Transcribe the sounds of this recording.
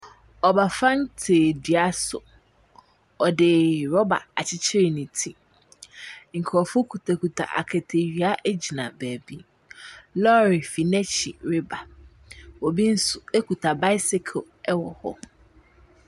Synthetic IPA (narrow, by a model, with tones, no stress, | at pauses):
ɔ˨ba˨fã˦n̩˦tʰeː˨di˨a˦sʊ̰˨ | ɔ˨dɪ˨ɾɔ˦ba̰˨a˨t͡ɕʰɪ˦t͡ɕʰɪ˦ɾɪ˨nĩ˨tʰi˦ | ŋ̩˨kʰɾɔ˨fʊ˦kʰu˨tʰa˨ku˨tʰa̰˨ʔa̰˨kʰɛ˨tʰe˨ɥi˨˦a˦ʔɛ˦d͡ʑi˨nã̰˨bæː˨bi˦ | lɔ˦ɾi˨fi˨nɛ˦t͡ɕi˨ɾɪ˦ba˨ | wɔ˨bi˦n̩˦sʊ˨e˦ku˨tʰa˨ba˦ɪ˦sɪ˦kʰo˨ | ɛ˦wɔ˨hɔ̰˦